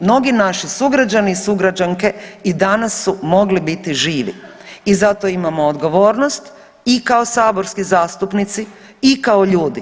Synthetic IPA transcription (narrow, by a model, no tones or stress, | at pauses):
mno̞ɡinaʃisuɡɾad͡ʒanisuɡɾad͡ʒaŋke̞id̪anasːumo̞ɡlibit̪iʒiːʋḭ | izat̪oimamoːd̪ɡo̞ʋo̞ːɾnost̪ | ikao̞saːbo̞ɾskizaːst̪upnit̪siikaoʎuːd̪ḭ